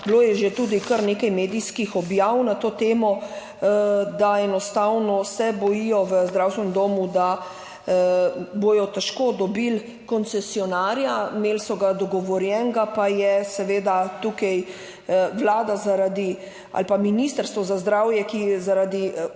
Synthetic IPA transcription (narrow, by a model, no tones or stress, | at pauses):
bloːjɛʒet̪uːd̪ikəɾneːkajmeːd̪ijskixɔbjawnat̪oːt̪eːmɔ | d̪aɛnɔst̪awnɔsɛbɔjijɔʋəzd̪ɾawst̪ʋɛnɛmd̪oːmud̪a | bojɔt̪ɛʃkoːd̪ɔbil | kɔnt̪sɛsiɔnaːɾjameːlsɔɡad̪ɔɡɔʋɔɾjɛŋɡapajɛsɛʋeːd̪at̪uːkɛj | ʋlaːd̪azaɾad̪i | a̰lpaminist̪əɾst̪ʋɔzazd̪ɾawjɛkiɛzaɾad̪i